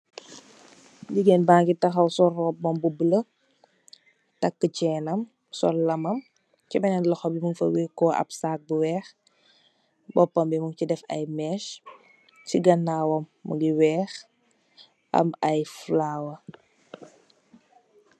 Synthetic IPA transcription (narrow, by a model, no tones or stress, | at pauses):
ɟiɡɛnbaːŋɡitɐxɐwsɔrɔːb̚ːɔmbubələ | tɐkːət͡ʃɛːnɐm | sɔ̰lɐmɐm | cibɛnɛnlɐxɔbimuŋfɐ̰wikɔʔɐ̰psaːk̚buwɛːx | bɔpːɐmbimuŋcidɛfɐ̰jmɛʃ | ciɡɐnːaːwɔmːṵɡiwɛːx | ʔɐ̰mɐjflaːwɐ